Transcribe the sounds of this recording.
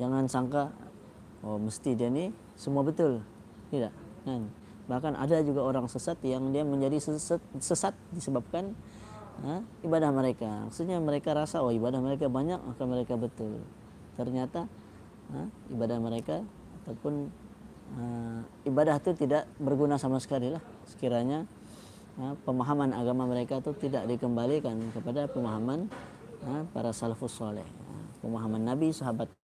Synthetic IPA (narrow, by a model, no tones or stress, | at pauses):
d͡ʒaŋansaŋka | oməst̪idiani | səmuabət̪ʊl | t̪idaʔŋan | bahkanʔa̰dad͡ʒuɡaoɾaŋsəsat̪jaŋdiaməɲd͡ʒadisəsat̪̚səsat̪̚disəbap̚kan | əibadahməɾekama̰ksusɲaməɾekaɾasaoibadahməɾek̬abaɲak̚ma̰hkaməɾekabət̪ʊl | t̪ərɲat̪a | əibadahməɾekaː | t̪awpʊn | ə | ibadaht̪ut̪idaʔbərɡunasamasə̥kalilah | sə̥kiɾaɲa | əpəmaɦamanaɡamaməɾekat̪ut̪idaʔdikəmbalikankəpadapəmaɦaman | əpa̰ɾasalafasːɔlɛ̰hə̰pəmaɦamanːabisaɦabat̪̚